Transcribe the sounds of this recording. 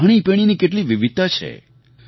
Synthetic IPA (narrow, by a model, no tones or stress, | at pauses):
aɽ̃ipeɽ̃inikeʈliʋiʋid̪̚t̪at͡ʃʰḛ